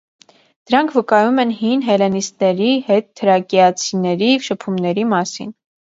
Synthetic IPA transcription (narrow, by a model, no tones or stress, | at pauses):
d̪̥əɾɑŋkʰvəkɑjumɛnhinɦɛlɛnist̪nɛɾihɛt̪ʰːəɾɑkijɑt͡sʰinɛɾijɛvʃəpʰumnɛɾimɑsḭn